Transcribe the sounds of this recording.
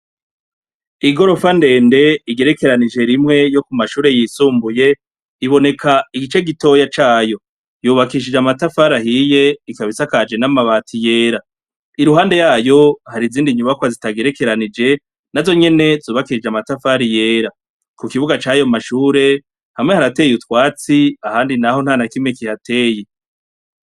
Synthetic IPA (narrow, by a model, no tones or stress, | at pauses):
iɡo̞ɾo̞fande̞ːnde̞iɡe̞ɾe̞ke̞ɾanid͡ʒe̞ɾimŋe̞jo̞kumaʃuːɾe̞jisuːmbuje̞ | iβo̞ne̞kʰaiɡit͡ʃe̞ɡito̞jat͡ʃaːjo̞ | juːβakiʃ̬id͡ʒamatafaɾaɦije̞ikaβisakad͡ʒe̞namaβaːtʰije̞ːɾa | iɾuɦaːnde̞jaːjo̞haɾiziːndiɲuβakwazitaɡe̞ɾeke̞ɾanid͡ʒe̞ | nazo̞ɲe̞ne̞zuːβakiʃid͡ʒamatafaɾije̞ːɾa | kukiβuɡat͡ʃaːjo̞maʃuːɾe̞ | hamŋehaɾate̞jutwaːt͡siahaːndinaho̞nhaːnakimŋekihatʰe̞ːje